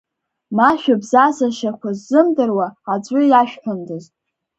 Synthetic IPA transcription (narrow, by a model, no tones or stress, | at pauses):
maʃᶣabzazaʃakʷʰazːɨmdɨrwaːd͡zʷʼʊjaʃᶣħʷʊndɨztʼ